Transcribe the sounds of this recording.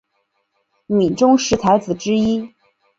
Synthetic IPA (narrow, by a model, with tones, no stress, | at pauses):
mi˨˩ʈ͡ʂʊ˥ŋʂɻ̩˧˥t͡sʰa˧˥ɪt͡sɹ̩˨˩ʈ͡ʂɻ̩˥i˥